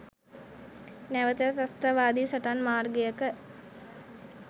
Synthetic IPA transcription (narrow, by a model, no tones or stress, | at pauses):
næʋət̪əɾət̪ast̪aʋaːd̪iːsəʈanmaːrɡejəkə